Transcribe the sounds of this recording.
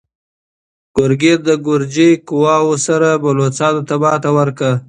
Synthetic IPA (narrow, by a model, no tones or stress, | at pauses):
ɡ̥ʊɾɡeɾd̪əɡʊɾd͡ʒekʊwɑwosaɾabalot͡sɑt̪ot̪abɑt̪awəɾka